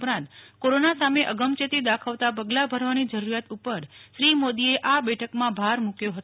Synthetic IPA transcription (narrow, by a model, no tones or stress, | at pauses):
pɾãnt̪koɾonasameʔəɡəmt͡ʃet̪id̪akʰaʋt̪apəɡlabʱəɾʋanid͡ʒəɾuɾjat̪upəɾʃɾimod̪ieʔabɛʈʰəkmãbʱaɾmũkjoɦət̪